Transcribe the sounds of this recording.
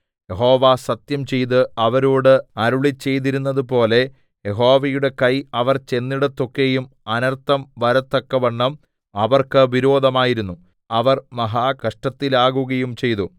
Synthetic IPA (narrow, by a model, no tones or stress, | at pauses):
je̞ɦo̞ːʋasɐt̪jɐmt͡ɕe̞jt̪ɨɐʋɐɾuːɽɨɐɾuɭit͡ɕːe̞jt̪iɾunːɐðupo̞ːle̞ | je̞ɦo̞ːʋɐjuɽe̞kɐjɐʋɐrt͡ɕe̞nːiɽɐt̪ːokːejum | ɐnɐrt̪ːɐmʋɐɾɐt̪ːɐkːɐʋɐɳːɐm | ɐʋɐrkɨʋiɾo̞ːd̪ʱɐmaːjiɾunːu | ɐʋɐrmɐɦaːkɐʂʈɐt̪ːilaːɣuɣɐjumt͡ɕe̞jt̪u